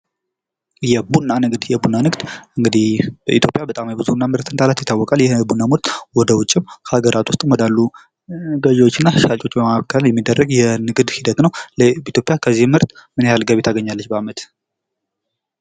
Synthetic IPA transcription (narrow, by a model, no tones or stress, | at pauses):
jɛbunːanɨɡd̪jɛbunːanɨɡd̪̥ʔɨŋɡɨd̪ihbəʔḭt̪ʰjo̞pʼjabət̪ʼamjɛbɨzunːamɨɾt̪ʰɨnt̪ʰʼalat̪jɛt̪ʰːawːɔkʼaljɛbunːamut̪ʼwɔd̪əwʊt͡ʃʼːɪmkhaɡəɾʔat̪ʰwʊst̪ʼmɔd̪alːu | ɡəʒɛwot͡ʃːɪnːaʃat͡ʃʼo̞t͡ʃːbəmaβkʰəljɛmːid̪ːərːəɡjɛnɨɡɨd̪hid̪ət̪nəwləit̪ʰjopʼjakʰəzːihmhɨɾt̪mɨnejalɡaβet̪ʰaɡəɲːalːət͡ʃːbəamət̪